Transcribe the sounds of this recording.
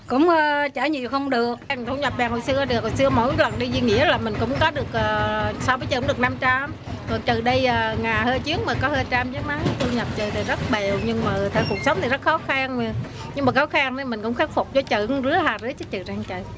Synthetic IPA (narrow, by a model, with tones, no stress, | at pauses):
kʊ̰˧˥wŋ͡mʔːt͡ɕaː˧˩ɲḭ˧˨wxə˧wŋ͡mɗɨ˨˩ək̚ŋt̪ʰə˧wɲə˨˩p̚ɓaː˨˩ho̰˧˨jsɨ˧əɗɨ˨˩k̚ho˨jsɨ˧əmo̰˧˥jlwə˨˩nɗi˧zwi˧ŋḭ˧˥əlaː˨˩mï˨˩ŋ̟kʊ̰˧˥ŋ͡mkɔ˨˦ɗɨ˨˩ək̚ʔəː˨˩sa˧wvəː˨˦jt͡ɕɨː˧˨˧ŋ͡mɗɨ˨˩ə˩kna˧mt͡ɕa˧m | kɔ˨˩t͡ɕɨ˨˩ɗə˧jʔəː˨˩ŋaː˨˩jhəː˧jt͡ɕi˨˦əŋ̚maː˨˩kɔ˨˦həː˧jt͡ɕa˧mzə˨˦˥maː˨˦t̪ʰu˧ɲə˨˩p̚t͡ɕə˨˩t̪ə˨˩zə˦˥t̚ɓe˨˩wɲɨ˧ŋmaː˨˩˧t̪ʰəː˧˩ku˨˩ək̚sə˨˦wŋ͡mt̪ʰi˨˩zə˦˥t̚xɔ˨˦xa˧n˧ | ɲɨ˧ŋŋ͡mmaː˨˩xɔ˨˦wxaː˧ŋnə˧˩mï˨˩ŋ̟kʊ̰˧˥ŋ͡mxaː˦˥k̚fʊ˨˩k͡p̚t͡ɕɔ˧˩t͡ɕə˧˨zɨ˨˦əhaː˨˩zɨ˧˥t͡ɕə˨˦t͡ɕɨ˨˩zaː˧˩ŋt͡ɕə̰˧˨